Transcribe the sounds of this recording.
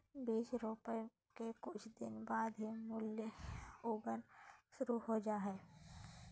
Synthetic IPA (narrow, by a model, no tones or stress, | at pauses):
biːʃɾoːpə | kekʊt͡ʃʰd̪ɪnbaːd̪ɦimʊljəuːbənʃʊɾuɦod͡ʒaːɦɛː